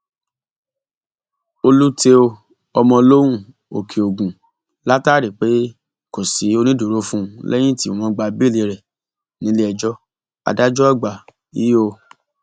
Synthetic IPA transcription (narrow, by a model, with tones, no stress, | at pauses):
o˧lu˦te˧o˧ | ɔ˧mɔ̃˧lo˦wũ˦˨ | o̰˨kʰi˨o˨ɡũ˨ | la˦taː˦˨ɾi˨k͡pe˨˦ | ko˨si˨˦o˦˧nĩ˦du˨ɾo˨˦fũ˦˧lʔɛ˦j̃ĩ˦˨tĩ˦˨mɔ̃˨˦ɡ͡ba˧bi˦˨le˧ɾɛ˨ | nĩ˨˦le˦ɛ˧d͡ʒɔ˦ | a̰˧da˦d͡ʒɔ˦a˦˨ɡ͡ba˨ | ḭ˦o˧